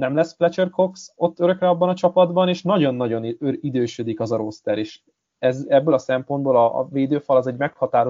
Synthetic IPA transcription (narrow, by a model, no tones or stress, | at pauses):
nɛmlɛsflɛt͡ʃørko̞kso̞t̪ːø̞ɾø̞krɛɒbːɒnɒt͡ʃɒpɒd̪bɒneːʃnɒɟo̞nːɒɟo̞nøɾid̪øːʃød̪ikɒzɒɾost̪ɛɾeːʃ | ɛzɛbːøːlɒsɛmpo̞nd̪boːlɒ̰veːd̪øːfɒlɒzɛɟmɛkhɒt̪aːɾo